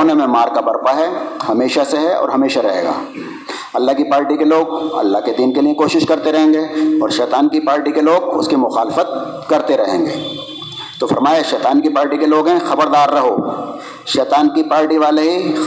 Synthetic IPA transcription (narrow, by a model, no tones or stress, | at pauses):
nemẽmaːɾkabɐɾpaɦɛhɐmeːʃaseɦɛɔ̰ːɾɦɐmeːʃaɾɐɦḛːɡa̰ː | ɐlːaɦkipaːɾʈikeloːɡ̚ɐ̰lːaɦked̪iːnkeliẽkoːʃɪʃkɐɾt̪eɾɐɦẽːŋɡeːɔːɾʃɛːt̪aːnkipaːɾʈikeloːɡʊ̰skimʊxaːlɪfət̪̚ | kɐɾt̪eɾɐɦẽːŋɡḛː | t̪ofɐɾmaːjeʃɛːt̪aːnkipaːɾʈikeloːɡɦɛ̃xɐbəɾd̪aːɾːɐɦo | ʃɛːt̪aːnkipaːɾʈiʋaːleɦi